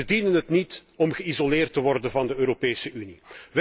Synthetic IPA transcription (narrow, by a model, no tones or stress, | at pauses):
ədinənɦətnitɔmɣəizoleːrtəʋɔrdənvɑndəøːɾopeːsəʔyniʋ